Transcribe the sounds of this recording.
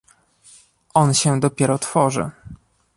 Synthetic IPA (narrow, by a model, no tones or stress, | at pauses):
ʔɔnɕɛd̪ɔpʲjɛɾɔt̪fɔʐɘ̰